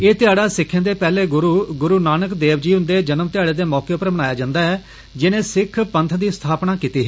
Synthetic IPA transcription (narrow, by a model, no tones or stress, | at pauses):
eːt̪ɪaːɽaːsɪkʰːẽːd̪eːpɛːleːɡʊɾuːɡʊɾuːnaːnəkd̪eːʋd͡ʒiːɦʊ̃nd̪eːd͡ʒənəmt̪ɪaːɽeːd̪eːmɔːkeːʊpəɾbənaːjaːd͡ʒãːnd̪aːɛː | d͡ʒɪnẽːsɪkʰpənt̪ʰd̪iːst̪ʰaːpnaːkiːt̪iːɦɛː